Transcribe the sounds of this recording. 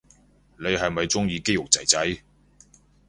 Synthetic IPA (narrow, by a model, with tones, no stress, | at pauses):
ne˨˧jɦɐ˨jmɐ˨jt͡sʊ˥ŋjiː˧ke˥jʊ˨k̚t͡sɐ˨˩jt͡sɐ˨˥j